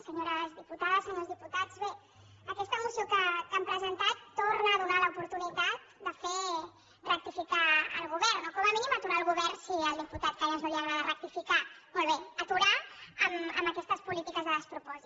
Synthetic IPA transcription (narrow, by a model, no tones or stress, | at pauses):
səɲoɾəzðiput̪aðəsəɲozðiput̪ad͡zβe | əkɛst̪əmusiokəkampɾəzənt̪at̪ːornəːðunaləupuɾt̪unit̪at̪̚d̪əfe | rək̚t̪ifikaə̰lˠɣuβɛɾnokɔməminimət̪uɾaəlˠɣuβɛrnsiəlˠd̪iput̪at̪̚kaləznuliaɣɾaðərək̚t̪ifikamolˠβeət̪uɾaəmə̰məkɛst̪əspulit̪ikəzðəðəspɾupɔzi